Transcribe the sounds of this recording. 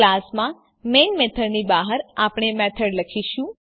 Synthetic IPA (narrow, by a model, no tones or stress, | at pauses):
lasmã | menmet̪ʰəɾnibaɦəɾapɳ̃emɛt̪ʰəɽləkʰiʃũ